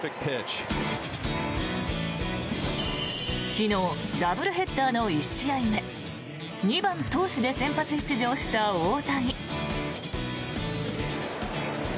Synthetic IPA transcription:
ɪk̚pʰet͡ʃ | kʲino̞ːd̪abɯ̟ɾɯ̟ɦe̞t̪ːaːno̞iɕiaime̞ | ɲ̟ibãnt̪o̞ːɕid̪e̞sẽ̞mpat͡sɨçi̥t͡sɨʑo̞ːɕi̥t̪aoːt̪aɲ̟i

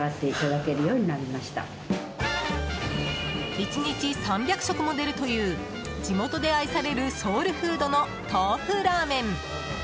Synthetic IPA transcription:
at̪ːe̞it̪ad̪ake̞ɾɯ̟jo̞ːɲ̟inaɾʲimaɕi̥t̪a̰ | it͡ɕiɲ̟it͡ɕisãmbʲjakɯ̟ɕo̞kɯ̟mo̞d̪e̞ɾɯ̟t̪o̞jɯ̟ː | d͡ʑimo̞t̪od̪e̞aisaɾe̞ɾɯ̟so̞ːɾɯ̟ɸɯːd̪o̞no̞ | t̪aːɸɯ̟ɾaːmẽ̞n

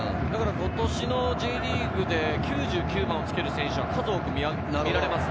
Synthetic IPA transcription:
d̪akaɾakot̪o̞ɕino̞d͡ʑiːɾʲiːɡɯ̟d̪e̞kʲʰɨːʑɨːkʲɨːmãot͡sɨ̥ke̞ɾɯ̟sẽ̞ɰ̃ɕɨβakazo̞ːkɯ̟mʲia | naiɾaɾemas

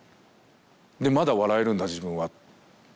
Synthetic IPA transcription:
d̪e̞mad̪aβaɾae̞ɾɯ̟̃nd̪ad͡ʑibɯ̟̃ɰ̃βa

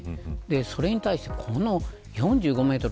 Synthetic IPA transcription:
d̪e̞so̞ɾe̞ɲ̟it̪aiɕi̥t̪ekʰono̞ | jõ̞ɲ̟d͡ʑɨːɡo̞me̞ːt̪o̞ɾ

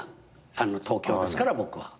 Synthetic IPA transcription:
anot̪ʰo̞ːkʲo̞ːdesɨ̥kaɾabo̞kɯ̟βa̰

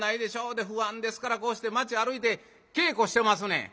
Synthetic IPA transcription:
naid̪eʃaod̪eɦuand̪eskaɾakoʃt̪emat͡ʃiaɾuit̪e | keːkoɕt̪emas̬unḛ

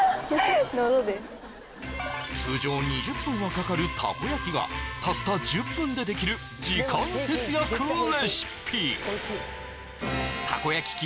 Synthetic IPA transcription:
nod̪es | t͡sɨːd͡ʑo̞ːɲ̟iʑɯpːɯ̃ɰ̃akakaɾɯ̟t̪ʰa̰kojakʲiɡa̰t̪at̪ːad͡ʑɨpːɯ̟̃nd̪e̞d̪e̞kʲiɾɯ̟ | d͡ʑikãɰ̃se̞t͡sɨjakɯleɕi̥pʲʰi | t̪ʰako̞jakʲi̥kʲi

